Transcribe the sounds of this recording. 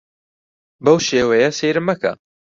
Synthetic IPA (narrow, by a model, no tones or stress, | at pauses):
bɐwʃeːwɐjɐseːɾɨmːɐkɐ̰